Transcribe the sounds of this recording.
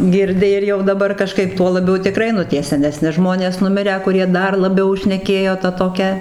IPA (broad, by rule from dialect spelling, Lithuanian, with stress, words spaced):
ɡʲɪrʲˈdʲɪ ɪr jɛʊ dɐˈbɐr kɐˈʃkɐɪp ˈtuɔ lˠɐˈbʲɛʊ tʲɪˈkrɐɪ nʊ ˈtʲiɛ sʲɛnʲɛˈsʲnʲɪ ˈʒmoːnʲeːs nʊˈmʲɪrʲæː kʊˈrʲiɛ ˈdɐr lˠɐˈbʲɛʊ ʃʲnʲɛˈkʲeːjoː ˈtɐ toːˈkʲɛ